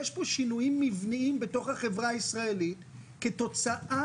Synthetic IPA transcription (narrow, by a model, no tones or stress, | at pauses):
eʃpo̞ʃinujimːivniimbeto̞χhaχevʁaisʁae̞lit | keto̞t͡saʔa